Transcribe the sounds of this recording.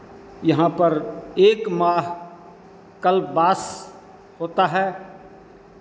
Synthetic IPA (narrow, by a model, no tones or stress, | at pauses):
jɐɦãpɐɾeːkmaːɦ | kəlbbaːs | hoːt̪aɦɛː